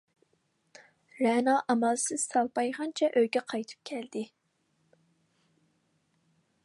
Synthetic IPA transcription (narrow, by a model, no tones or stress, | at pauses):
ɾænɑʔɑmɑlˠsɨz̥sɑlˠpɑjʁɑnt͡ʃʰɛʔølɡʲɛqʰɑjt̪ʰɨ̥p̚kʲʰɛld̪̥ɪ